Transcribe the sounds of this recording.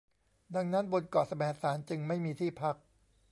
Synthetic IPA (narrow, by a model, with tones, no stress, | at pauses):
da˧ŋna˦˥nbo˧nkɔː˨˩t̪̚sa˧mɛː˨˩˦saː˩˦nt͡ɕɯ˧ŋma˥˩jmiː˧t̪ʰiː˥˩pʰa˦˥k̚